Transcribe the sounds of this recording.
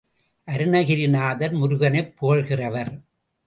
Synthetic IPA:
ʔɐɾɯɳɐɣɪɾɪnaːðɐɾmʊɾʊɣɐnɐɪpʰːoːɐɭɣɪrɐʋɐɾ

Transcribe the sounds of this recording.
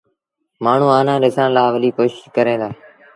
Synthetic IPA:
maːɳ̤ũːaːnãːɗɪsãːnlaːʋəliːkoːʃɪʃkəɾẽːd̪aː

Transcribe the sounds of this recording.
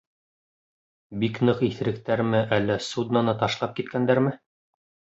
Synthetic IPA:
biknɤqiθɘ̆ɾɘ̆kt̪æɾmɘʔælːæsud̪nanɤt̪ɑʃlˠɑp̚kit̪kænd̪æɾmɘ

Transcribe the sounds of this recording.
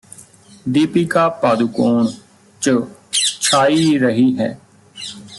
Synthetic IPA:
d̪iːpiːkaːpaːd̪ukoːn | t͡ʃət͡ʃʰaːiːɾəɦiːɦɛ̰ː

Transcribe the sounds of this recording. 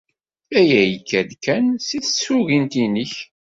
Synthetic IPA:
æjæjəkːæðkːænsiθsuɣint̪iniç

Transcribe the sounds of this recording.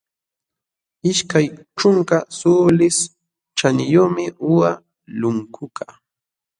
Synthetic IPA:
ɪʃkaj | ʈ͡ʂʊŋkasuːlɪs | t͡ʃanɪjomɪʔʊwa | lʊŋkʰʊkʰaː

